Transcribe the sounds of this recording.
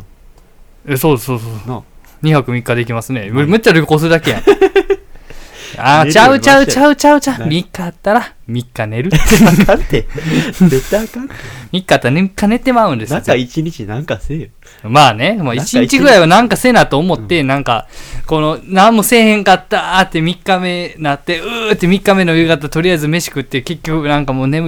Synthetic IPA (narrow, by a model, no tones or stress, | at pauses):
eso̞ːsoːso | ɲ̟içakɯ̟mʲikːad̪e̞k̬ʲimasɨne̞mmett͡ɕːaɾʲoko̞ːsɨɯd̪ake̞jã | at͡ɕaɯ̟t͡ɕaɯ̟t͡ɕaɯ̟t͡ɕaɯ̟t͡ɕamʲikːaːt̪ːaɾa | mʲikːane̞ɾɯ̟t̪ːe | et̪ːkamʲikːat̪ːanekːane̞t̪ːe̞maɯ̟̃nd̪eait͡ɕiɲit͡ɕinãŋkasej | maːne̞moit͡ɕiɲit͡ɕiɡɡɯ̟ɾaiβanãŋkase̞ːnat̪oːmo̞t̪ːe̞nãŋka̰ko̞no̞nãmːose̞ːhẽ̞ŋkat̪ːat̪ːemʲikːame̞nat̪ːe̞ɯːt̪ːemʲikːame̞no̞jɯ̟ːɡat̪at̪o̞ɾʲijaizɨme̞ɕi̥kɯ̟t̪ːeɯke̞kʲːo̞kɯ̟nãŋkamoːne̞mɯ